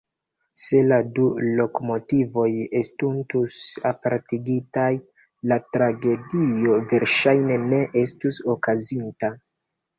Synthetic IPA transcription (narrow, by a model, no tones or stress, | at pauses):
se̞ladulo̞komo̞tivo̞je̞stuntusapaɾtiɡitaj | latɾaɡe̞dio̞ve̞ɾʃajne̞ne̞ʔestuso̞kazinta